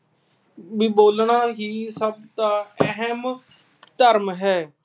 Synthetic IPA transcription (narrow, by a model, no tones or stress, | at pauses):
biboːlɳaːɦiːsəb̚t̪aːɛɦɛm | t̪əɾmɦɛː